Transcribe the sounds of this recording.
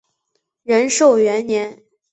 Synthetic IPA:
ɻə˧˥nʂo˥˩ʊɥɛ˧˥nnjɛ˧˥n

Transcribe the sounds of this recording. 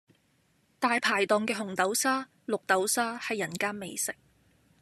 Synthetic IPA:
t̪aː˨jpʰaː˨˩jt̪ɔː˨ŋkɛː˧ɦʊ˨˩ŋt̪ɐ˨˥wsaː˥ | lʊ˨k̚t̪ɐ˨˥wsaː˥hɐ˨jːɐ˨˩nkaː˥nme˨˧jsɪ˨˥k̚

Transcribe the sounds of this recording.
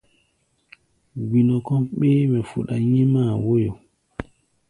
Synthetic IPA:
ɡi˨nɔ˨kɔ˦ɓeː˦mɛ˨fu˨ɗa˨ɲi˦maː˦˨wo˦jo˨

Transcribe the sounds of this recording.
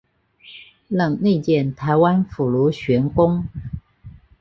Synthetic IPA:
lə˨˩ŋne˥˧t͡ɕjɛ˥˨˩nt̪ʰa˨˧˦ɪwa˦nfu˨˩lu˨˥ɕɥɛ˧˥nkʊ˥ŋ

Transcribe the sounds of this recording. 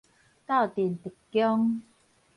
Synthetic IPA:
t̪a˥˨wt̪i˨˩ənt̪i˨˩kːjɔ˦ŋ

